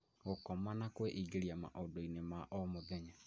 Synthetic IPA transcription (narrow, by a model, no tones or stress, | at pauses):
ɣokɔmanakweʔiɡeɾjama̰ʔodoinemaʔɔmoðɛɲa